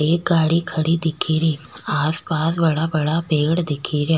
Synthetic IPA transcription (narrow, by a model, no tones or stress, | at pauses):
eːk̚ɡaːɽikʰɐɽid̪ɪkʰiːɾiːaːspaːsbɐɽabɐɽabeːɡɽd̪ɪkʰiɾjaː